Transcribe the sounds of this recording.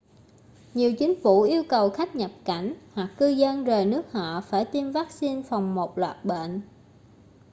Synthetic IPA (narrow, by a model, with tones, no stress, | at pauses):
ɲi˨˩əwt͡ɕï˨˦ŋ̟fu˧˩ʔi˧əwkə˨˩wxa˦˥k̟̚ɲə˨˩p̚ka˧˩jŋ̟hwa˨˩kːɨ˧zə˧nzəː˨˩jnɨ˦˥ək̚hɔ̰˧˨faː˧˩jt̪i˧mvaː˦˥k̚si˧nfa˨˩wŋ͡mmo˨˩t̚lwa̰ː˨˩t̚ɓḛ˧˨n